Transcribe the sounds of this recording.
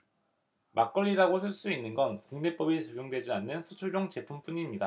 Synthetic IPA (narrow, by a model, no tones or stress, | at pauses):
mʔak͈ʌʎːiɾaɡosʰɯɭs͈uinːɯnɡʌnkuŋne̞p͈ʌbit͡ɕʌɡjoŋdwe̞d͡ʑianːɯnsʰut͡ɕʰuɭd͡ʑoŋt͡ɕe̞pʰump͈uɲimɲida